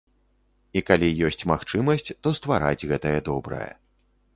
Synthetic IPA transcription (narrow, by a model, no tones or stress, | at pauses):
ikalʲijɔsʲt͡sʲmaxt͡ʂɨmɐsʲt͡sʲt̪ɔst̪vaɾa̰d͡zʲɣɛt̪ɐjɛd̪ɔbɾɐ̰jɐ̰